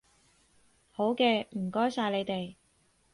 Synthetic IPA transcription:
ho˨˥wkɛː˧m̩˨˩kɔː˥jsaː˧jle˨˧jt̪e˨j

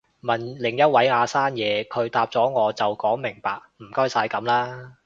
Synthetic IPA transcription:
mɐ˨nlɪ˨˩ŋjɐ˥t̚wɐ˨˥jŋaː˨˧saː˥njɛː˨˧kʰɵ˨˧ɥt̪aː˧p̚t͡sɔː˨˥ŋɔː˨˧t͡sɐ˨wkɔː˨˥ŋmɪ˨˩ŋpaː˨k̚m̩˨˩kɔː˥jsaː˨˧jkɐ˨˥mlaː˥

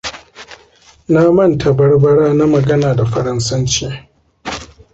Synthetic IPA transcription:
na˦mɐ˦ntʰa˨bɐ˦rbɐ˦ɽaː˦na˦mɐ˨ɡɐ˦naː˨da˨ɸɐ˨ɾɐ˦nsɐ˦nt͡ʃeː˦

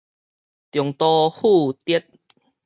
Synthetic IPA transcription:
t̪jɔ˨˩ŋt̪ɔ˧hu˥˧˨t̪i˦t̚

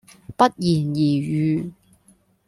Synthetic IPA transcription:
pɐ˥t̚jiː˨˩njiː˨˩jyː˨˧

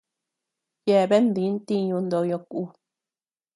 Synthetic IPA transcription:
je˧˨βe˦nd̪ĩ˨˦nt̪ĩ˦ɲũ˧nd̪o˧jõ˧ku˧˦

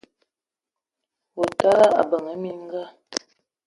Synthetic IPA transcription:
o˨ta˦la˦a̰˨bə˨ŋə˨˦mi˦ŋ˦ɡa˦˨

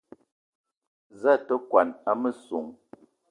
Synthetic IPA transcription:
za˦˨tə˦kwa˨na˦mə˦su˨ŋ

